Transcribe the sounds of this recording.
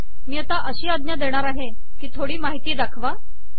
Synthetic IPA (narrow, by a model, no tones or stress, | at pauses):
miːat̪aʔəɕiːad̪njad̪eɽ̃aɾaɦe | kiːt̪ʰoɽiːmaɦit̪iːd̪akʰʋa